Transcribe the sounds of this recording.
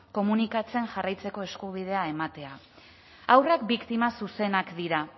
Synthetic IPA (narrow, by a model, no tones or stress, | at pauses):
ko̞munikat͡se̞ŋʝarajt͡se̞ko̞e̞skuβ̞ið̞e̞ae̞mat̪e̞a | awrakbikt̪imasuse̞nakd̪iɾa